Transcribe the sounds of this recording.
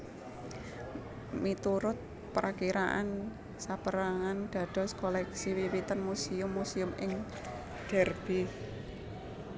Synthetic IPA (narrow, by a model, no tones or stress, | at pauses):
mit̪uɾʊt̪̚ | pɾʔakiɾaʔa̰n | sapəɾaŋanɖ̪̥ä̤d̥ɔ̤skɔlɛksiwiwit̪ənmusiʊmːusiʊmɪŋ | d̥ɛrb̥i